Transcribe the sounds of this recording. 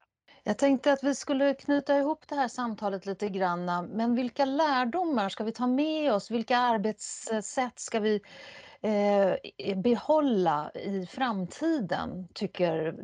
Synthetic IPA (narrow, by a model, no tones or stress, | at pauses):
jɑːɡ̚t̪ʰɛŋk̚t̪əat̪vɪskɵlːəkʰnʉ̟ːt̪aɪhʊpːd̪ɛhæːʂamt̪ʰɑːlət̪liːt̪əɡɾanːamɛnvɪlkalæːɖʊmːaʂkavɪt̪ʰɑːmɛɔsvɪlkaaɾbeːt̪ssɛt̪ːskavɪ | bɛhɔlːa̰ɪfɾamt̪ʰiːd̪ə̰nt̪ʰʏkːəɾ